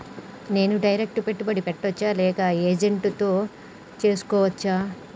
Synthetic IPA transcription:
ne̞ːnuɖɐjɾek̚ʈupe̞ʈːubɐɽipeʈːɐt͡ʃːaːlɛːkɐeːd͡ʒeɳʈt̪o̞ː | t͡ʃe̞ːsu̥kɔːʋɐt͡ʃːaː

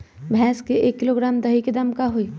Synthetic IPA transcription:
bʱɛːskeeːkːɪloːɡɾaːmd̪ɐɦiked̪ɐmkaɦoi

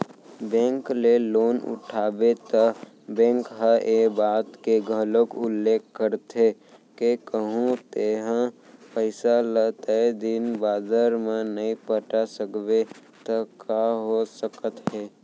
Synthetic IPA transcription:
bɛ̃ːŋkleloːnʊ̰ʈʰaːbet̪ə | bɛ̃ːŋkɦəʔebaːt̪keɡʱəlokʊlːeːkːəɾt̪e | kekəɦũt̪eːɦə̃pəɪsalət̪əed̪ɪnbaːd̪əɾmẽnəĩpəʈasəkbe | t̪əkaɦosəkət̪ɦɛː

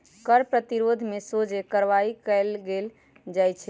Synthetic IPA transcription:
kəɾpɾət̪iɾod̪ʱmesod͡ʒekəɾʋaikɛlɡel | d͡ʒajt͡ʃʰɛ

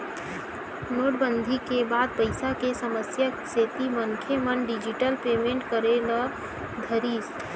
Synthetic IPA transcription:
noːʈbə̃nd̪ʱikebaːd̪̚pəɪsakesəməsjəseːt̪imənkʰemənɖɪd͡ʒiʈəlpeːmẽːɳʈkəɾela | d̪ʱəɾiːs

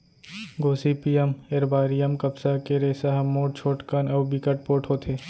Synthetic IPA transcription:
ɡoːsipiːəmeɾbaːɾijəmkɐbsakeɾeːsaɦɐmːoːʈ̚t͡ʃʰoːʈkanɐbikəʈ̚poːʈʰɦoːt̪ʰeː

